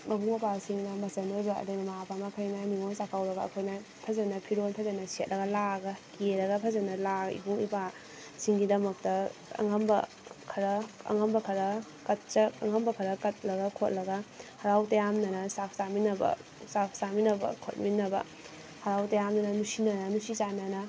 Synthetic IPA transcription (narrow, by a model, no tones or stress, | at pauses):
mɐbuŋɐpasiŋnɐmɐsɐnozaɐ̰dɐjmɐmapʰamɐkʰɐjnaniŋonsakʰawɾɐɡɐ̰ːkʰojna | pʰɐzɐnɐpʰiɾonpʰɐzɐnɐset̚lɐɡɐlaɡɐkeɾɐɡɐpʰɐzɐnɐlaḭbuŋḭpa | siŋɡidɐmɐk̚tɐɐ̰ŋɐmbɐ | kʰɐɾɐɐ̰ŋɐmbɐkʰɐɾɐ | kɐt̚t͡ʃɐɐŋɐmbɐkʰɐɾɐkɐt̚lɐɡɐkʰot̚lɐɡɐhɐɾawtɐjamnɐnɐsak̚saminɐbɐ̰ | sak̚saminɐbɐ̰kʰot̚minːɐbɐ̰ | hɐɾawtɐjamnɐnɐnusinɐnɐnusit͡ʃanɐnɐ